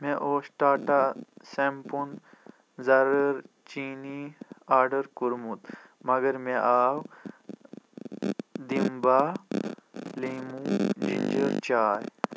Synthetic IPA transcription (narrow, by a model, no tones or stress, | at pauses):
meʔoːsʈaːʈasempun | zɐɾɐɾ | t͡ʃiːniaːɾɖɐɾkuɾmut̪ | mɐɡɐɾmeʔaːw | d̪imba | liːmud͡ʑḭnd͡ʑəɾt͡ɕaːj